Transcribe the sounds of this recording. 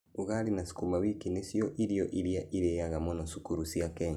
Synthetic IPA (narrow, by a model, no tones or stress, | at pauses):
uɣalinasi̥kumawikinesjɔʔiɾijɔʔiɾjaʔiɾejaɣamɔnɔsukuɾusjakɛɲ